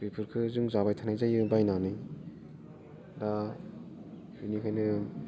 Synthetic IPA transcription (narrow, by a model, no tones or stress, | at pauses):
ɾipʰɯɾkʰɯzɯŋzabajtʰanajzajɯbajnanɯj | da | ɯnikʰajnɯ